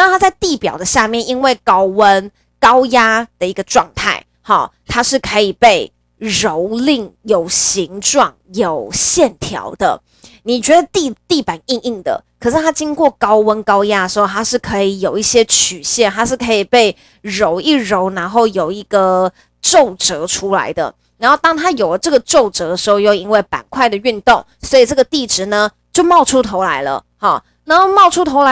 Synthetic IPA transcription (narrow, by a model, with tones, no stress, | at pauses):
na˥˧t̪ʰa˥t͡sa˥˧ɪt̪i˥˩pjɑ̰˨˩ʊd̪ə˨˦ɕja˥˧mjɛ˥˩ni˦nwe˥˩ɪkɑ˥ʊwə˦n | kɑ˥ʊja˥d̪̥ə˨i˧˥ɡə˧ʈ͡ʂwɑ˥˧ŋt̪ʰa˥˩ɪ | hɔ̰˨˩t̪ʰa˥ʂɻ̩˥˩kʰɤ˧˥i˨˩pe˥˩ɪ | ɻo˧˦ʊli˥˩ŋjo˨˩ʊɕi˧˥ŋʈ͡ʂwɑ˥˩ŋjo˨˩ʊɕjɛ˥˨˩nt̪ʰjɑ̰˧˥ʊd̪ə̰˨ | ni˨˩t͡ɕɥɛ˧˥d̪ə˨˧t̪i˥˧t̪i˥˩pa˨˩˦ni˥˧ŋi˥˩ŋd̪ə̰˩kʰɤ˨˩ʂ̬ɻ̩˥˩t̪ʰa˥t͡ɕi˥ŋkwɔ˥˩kɑ˥ʊwə˥nkɑ˥ʊja˥˨ʂɻ̩˧˥xo˥˧t̪ʰa˥ʂɻ̩˥˩kʰɤ˧˥i˨˩jo˨˩ʊi˥˩ɕjɛ˥t͡ɕʰy˨˩ɕjɛ˥˩nt̪a˥ʂɻ̩˥˩kʰɤ˧˥i˨˩pe˥˩ɪ | ɻo˧˥ʊi˥˩ɻo˧˥ʊna˧˥nxo˥˩ʊjo˨˩ʊi˧˥ɡ̥ə˧ | ʈ͡ʂo˥˨˩ʊʈ͡ʂɤ˧˦ʈ͡ʂʰu˥la̰˧˥ɪd̪ə̰˧ | na˨˧˥nxo˥˩t̪ɑ˥ŋt̪ʰa˥jo˨˩ʊlə˩ʈ͡ʂɤ˥˩ɡə˩ʈ͡ʂo˥˩ʊʈ͡ʂɤ˧˦˥d̪ə˧˩ʂɻ̩˧˥xo˥˧ʊjo˥˧ʊi˧˥nwe˥˩ɪpa̰˨˩nkʰwa˥˩ɪd̪ə˩y˥˧nt̪ʊ˥˩ŋswɔ˧˥i˨˩ʈ͡ʂɤ˥˩ɡə˩t̪i˥˩ʈ͡ʂɻ̩˧˥˦nə˨ | t͡ɕjo˥˧ʊmɑ˥˧ʊʈ͡ʂʰu˥t̪ʰo˧˥ʊla˧˥ɪlə̰˧ | hɑ˨˩ | na˧˥nxo˥˧ʊmɑ˥˩ʊʈ͡ʂʰu˥t̪ʰo˧˥ʊla˧˥